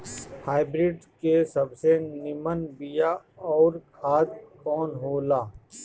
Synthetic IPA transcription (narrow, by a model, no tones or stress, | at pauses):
haːɪbɾɪɖkesɐbsenɪmənbijaɔːɾkʰaːt̪kɔːnɦoːlaː